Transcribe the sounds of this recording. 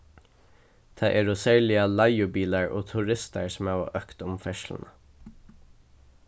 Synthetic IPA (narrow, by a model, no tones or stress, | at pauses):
t̪ʰæɪʔɛːɹʊsɛɹlɪɑlɑɪʊbiːlɑɹʔoːt̪ʰuɹɪst̪ə̰ɹsmæːʋɑ̰ʔœkt̪ʊmfɛʃln̩ə